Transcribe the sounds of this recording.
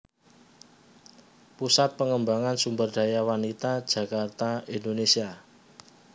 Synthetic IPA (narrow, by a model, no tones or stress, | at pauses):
pusat̪̚pəŋəmbaŋansumbərd̥a̤jawanit̪ad̥ʒ̥ä̤kart̪aind̪onesia